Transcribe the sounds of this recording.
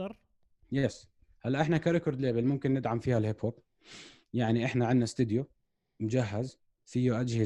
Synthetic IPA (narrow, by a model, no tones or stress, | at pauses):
jeːs | halːaʔɪħnakaɾɪkoɾd̪leːbɪlmʊmkɪnːɪd̪ʕamfiːhalhɪphoːb̚ | jaʕniʔɪħnaʕɪnːnast̪ɪd̪ju | md͡ʒaɦːaz | fijːʊʔad͡ʒhɪ